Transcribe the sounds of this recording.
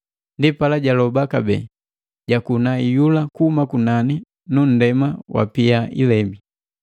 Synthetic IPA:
ndipalaɟalɔbakabɛ̰ | ɟakunaijulakuhumakunani | nun̩dɛmawʔa̰piaʔḭlɛmbi

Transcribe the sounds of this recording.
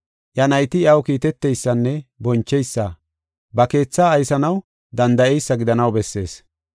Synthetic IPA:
ʔjɐnɐjt̪ɪɐwkiːt̪ɛt̪ːɛjsːɐnːɛbɔnt͡ʃːɛjsːɐ | bɐke̞ːt͡sːaːjsɐnɐw | d̪ɐnd̪ɐʔɛjsːɐɡɪd̪ɐnɐwbɛsːe̞ːs

